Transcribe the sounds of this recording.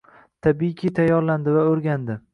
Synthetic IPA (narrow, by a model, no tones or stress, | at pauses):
t̪ʰabikʰʲit̪ʰajːɒɾland̪ɪvaɵɾɡʲand̪ɪ